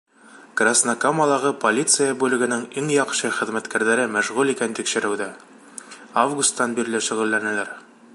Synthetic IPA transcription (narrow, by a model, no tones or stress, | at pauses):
krasnakomalˠɑʁɤpolʲit̪sɨjəbʉlɘ̆ɡɘ̆nɘŋiŋjɒqɕɤχɘ̆ðmæt̪kæɾðæɾɘmæʃʁʉlikænt̪ikʃɘ̆ɾʔɘ̆wd̪ɘ | avɡust̪ːɑnbiɾlɘʃŏʁɵ̆lːænælæɾ